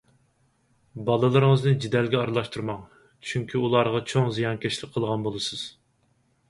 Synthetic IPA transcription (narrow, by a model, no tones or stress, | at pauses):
bɑlˠɨlˠɨɾɨŋəznɨd͡ʒid̪ɛlɡʲɛɑɾlˠɑʃt̪ʰuɾmɑŋ | t͡ʃʰyŋkʲʰiulˠɑɾʁɑt͡ʃʰoŋzijɑnkʲʰeʃlɪk̚ʲqʰːəlˠʁɑnbolˠɨsɨz̥